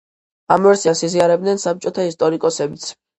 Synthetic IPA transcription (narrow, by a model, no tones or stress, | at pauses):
amɛɾsiasiziaɾɛb̚d̪nɛnsap̚t͡ʃʼɔt̪ʰaist̪ʼɔɾikʼɔsɛbit̪sʰ